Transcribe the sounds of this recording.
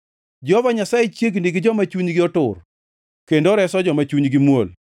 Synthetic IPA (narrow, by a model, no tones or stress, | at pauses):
d͡ʒɔvaɲasajɪt͡ʃjeɡ̬indiɡɪd͡ʒɔmat͡ʃuɲɡɪɔtʊr | kendoɾɛsɔd͡ʒɔmat͡ʃuɲɡɪmwo̰l